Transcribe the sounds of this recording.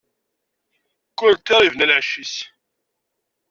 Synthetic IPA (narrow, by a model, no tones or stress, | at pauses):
kːʊɾt̪ːiɾˤivnælʕʃis